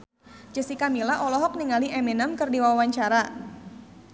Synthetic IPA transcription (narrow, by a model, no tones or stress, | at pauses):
d͡ʒəsikamilaʔɔlɔɦɔk̚niŋaliʔɛminəmkɨrdiwawaɲt͡ʃaɾa